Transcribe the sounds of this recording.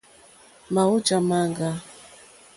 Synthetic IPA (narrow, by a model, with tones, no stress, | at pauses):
ma˨u˦d͡ʒa˨ma˦ŋɡa˦